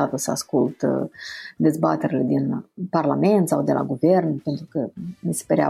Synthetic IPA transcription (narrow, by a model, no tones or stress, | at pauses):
at̪əsəaskult̪ | d̪e̞zbat̪eɾile̞d̪inparlame̞nt̪sawd̪e̞lʔa̰ɡuve̞rnpe̞nt̪ɾukəmise̥pəɾea̰